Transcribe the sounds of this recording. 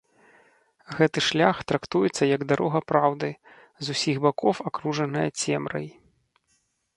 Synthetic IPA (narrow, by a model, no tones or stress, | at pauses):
ɣɛt̪ɨʂlʲaxt̪ɾakt̪ujɛt̪sːɐjɐɡd̪aɾʔɔɣɐpɾawd̪ɨ | zusʲiɣbakɔfakɾuʐɐnɨjɐt͡sʲɛmɾɐ̰j